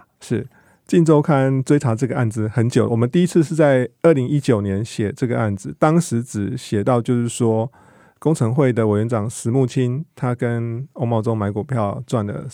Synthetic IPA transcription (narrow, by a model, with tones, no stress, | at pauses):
ʂɻ̩˥˩ | t͡ɕi˥˧nʈ͡ʂo˥˧ʊkʰa˥˧nt͡swe˥ɪʈ͡ʂʰa˧˥ʈ͡ʂɤ˥˩ɡə˩ʔa˥˩nd͡z̩˨˩xə˧˥nt͡ɕjo˨˩ʊwɔ˨˩mə˨˦nt̪i˥˧i˧˥t͡s̩ʰ˥˧ʂ̬ɻ̩˥˧t͡sa˥˧ɪə˥˩li˧˥ŋi˦˥t͡ɕjo˨˩ʊnjɛ˧˦nɕjɛ˨˩ʈ͡ʂɤ˥˩ɡə˩ʔa˥˩nd͡z̩˨˩t̪ɑ˥ŋʂɻ̩˧˦ʈ͡ʂɻ̩˨˩ɕjɛ˨˩t̪ɑ˥˧ʊt͡ɕjo˥˧ʊʂɻ̩˥˩ʂwɔ˥ | kʊ˥ŋt͡sʰɤ˧˥ŋxwe˥˩ɪd̪ə˩we˨˩ɥɛ˧˥nʈ͡ʂɑ˨˩ŋʂɻ̩˧˥mu˥˩t͡ɕʰi˦˥nt̪ʰa˥kə˦no˥ʊmɑ˥˧ʊt͡so˥˦ŋma˧˥ɪku˨˩pʰjɑ˥˧ʊt͡swa˥˩nlə̰˨˩